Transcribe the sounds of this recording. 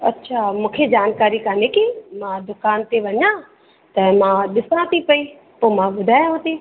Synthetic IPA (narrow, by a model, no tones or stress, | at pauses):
ɐtːʃʰaːmũːkʰed͡ʑaːnkaːɾikaːnekimãd̪ʊkaːnt̪eʋɐɲjã | t̪ɐmãɗɪsãt̪ʰipɐi | poːmãbʊd̪ʱaːj̃ə̃t̪i